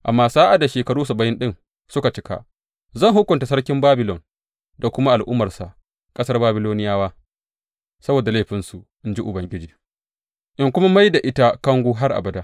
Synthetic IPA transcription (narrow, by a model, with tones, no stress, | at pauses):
ʔa̰˨mːaː˦saː˦ʔa˨da˨ʃeː˨kɐ˨ɽuː˦s̬a˨bɐ˦jɪ˦nɗɪ˦n | sʊ˦ka˨t͡ʃɪ˦ka̰˨ | zɐ˦˨ŋɦʊ˦kʷːʊ˨nta˨sɐ˦rkʲɪ˦mbaː˦bɪ˨lɔ˨n | da˨kʷʊ˦ma˦ʔa˨lʔʊ˦mːɐ˨rsa˨ | kʼɐ˦sɐ˦rbaː˦bɪ˦loː˦nɪ˦jaː˦waː˦ | sɐ˦boː˨da˨la˦˨ɸɪ˨nsu˨ʔɪ˦nd͡ʒi˦ʔʊ˨bɐ˨ŋɡʲɪ˦d͡ʒiː˨ | ʔɪ˦ŋkʷʊ˦ma˦ma˦jda˨ʔɪ˦ta˦kɐ˦ŋɡʷuː˦ɦa˦rʔa̰˨bɐ˨da˦